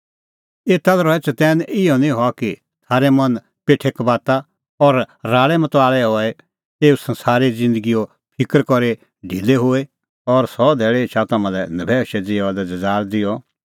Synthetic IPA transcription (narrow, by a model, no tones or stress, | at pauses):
eːt̪alɾɔɛt͡ʃɐt̪ɛːnʔɪjɔnĩɦɔaki | t̪ʰaːɾemɐn | peːʈʰekbaːt̪a | ɔɾːaːɭɛmɐt̪ɔaːɭɛɦɔːɛ | eːusɐ̃nsaːɾed͡zɪ̃nd̪əɡijo | pʰɪkəɾkɔɾe | ɖʱiːleɦoːe | ɔɾsɔd̪ʱɛːɭet͡ʃʰat̪ɐmãlɛnɐbʱɛʃɛd͡zeːad̪ɛd͡zɐd͡zaːɾd̪ɪjɔ